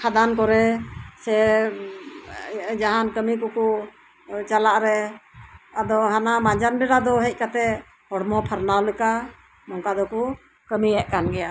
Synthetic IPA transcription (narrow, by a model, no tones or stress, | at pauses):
kʰad̪ankɔɾɛsɛ | d͡ʒaɦankəmikɔkɔ | t͡ʃalaʔɾɛ | ad̪ɔɦanamaɲd͡ʒanbɛɽad̪ɔɦɛc̚kat̪ɛ | hɔɽmɔpʰəɾnawlɛka | mɔŋkad̪ɔkɔ | kəmiɛʔ̚kanɡɛja